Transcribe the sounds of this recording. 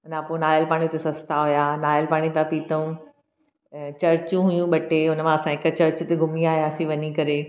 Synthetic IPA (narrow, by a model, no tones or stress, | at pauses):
ʊnãponaːjəlpaːɽ̃ijot̪esɐst̪aɦujanaːjəlpaːɽ̃ipijãpiːt̪əũ | t͡ɕɐɾt͡ɕũɦujũɓɐʈeʊnmãɐsãɦɪkət͡ɕɐɾt͡ɕʊt̪eɡʱʊmiaːɦijaːsiʋɐɲikɐɾe